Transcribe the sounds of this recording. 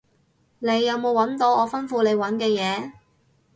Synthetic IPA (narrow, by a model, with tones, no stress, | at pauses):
ne˨˧jːɐ˨˧wmo˨˧wɐ˨˥nt̪o˧wɔː˨˧fɐ˥nfuː˧le˨˧jwɐ˨˥nkɛː˧jɛː˨˧